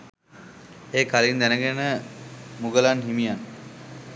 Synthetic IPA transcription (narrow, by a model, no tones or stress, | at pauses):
eːkalind̪ænəɡenəmuɡəlanɦimijan